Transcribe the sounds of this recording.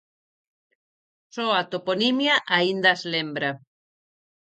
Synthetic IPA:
sɔat̪oponimjaʔaind̪azlembɾa

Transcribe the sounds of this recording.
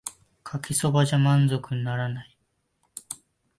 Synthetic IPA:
kʰakʲiso̞baʑamãnzo̞kɯ̟ɲinaɾanai

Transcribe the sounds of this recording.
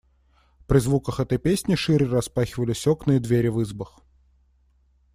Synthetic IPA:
pɾʲɪzvukəxɛt̪əjpʲesʲnʲɪʂɨɾʲɪrɐspaxʲɪvəlʲɪsʲoknɨjəd̪vʲeɾʲɪvɨzbəx

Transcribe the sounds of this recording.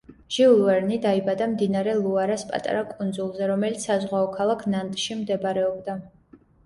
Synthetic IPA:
ʒ̥iulˠvɛɾnid̪aibad̪amd̪inaɾɛlˠuaɾaspʼa̰t̪ʼa̰ɾakʼund̪zulˠzɛɾɔmɛlit̪ssazʁwaɔkʰalˠakʰnant̪ʼʃimd̪ɛbɾɛɔbd̪a

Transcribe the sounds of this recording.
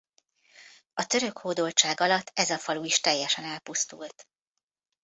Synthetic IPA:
ɒt̪øɾø̞khoːd̪o̞lt͡ʃaːɡɒlɒt̪ːɛzɒfɒluiʃt̪ɛjːɛʃɛnɛlpust̪ṵlt̪

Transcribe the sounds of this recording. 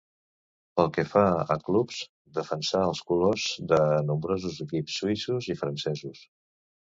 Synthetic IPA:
pəlˠkəfaə̰klupz̥ | d̪əfənsaəlˠskulozðənumbɾozuzəkipsːuisuzifɾənsɛzus

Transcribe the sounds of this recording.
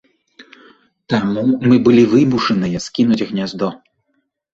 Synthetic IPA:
t̪amumɨbɨlʲivɨmuʂɐnɨjɐskʲinud͡zʲɣnʲazd̪ɔ

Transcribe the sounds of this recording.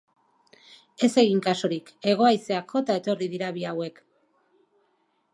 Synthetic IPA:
e̞se̞ɣiŋkaso̞ɾike̞ɣ̞o̞ajse̞akʰo̞t̪ae̞t̪o̞riðiɾaβiawe̞k

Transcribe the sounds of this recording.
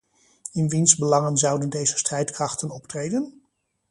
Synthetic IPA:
ɪnʋinzbəlɑŋənzʌwdəndejzəstrɛjtkrɑχtənɔptrejdən

